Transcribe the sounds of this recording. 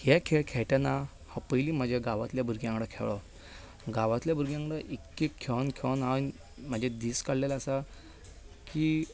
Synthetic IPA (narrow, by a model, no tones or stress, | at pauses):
hɛkʰɛɭkʰɛɭʈana | hɔpəjliːm̤əd͡ʑʱjaɡaʋat̪ljabʱuɾɡjãŋɡɽəkʰɛ̰ʋɭɔ | ɡaʋat̪ljabʱuɾɡjãŋɡɽəʔikːekʰːeʋnkʰenaən | m̤əd͡ʑʱed̪iːskaɽlelaːsa | ki